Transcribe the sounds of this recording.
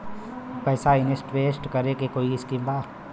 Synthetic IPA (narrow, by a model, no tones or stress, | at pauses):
pɛːsaɪnesʈʋeːsʈkəɾekekoːiɪskimbaː